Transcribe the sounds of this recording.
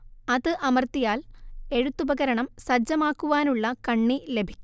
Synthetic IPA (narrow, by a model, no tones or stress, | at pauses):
ɐðɨʔɐmɐrt̪ijaːle̞ɻut̪ːubɐɣɐɾɐɳɐmsɐd͡ʑːɐmaːkːuʋaːnuɭːɐkɐɳːile̞bʱi̥kʲː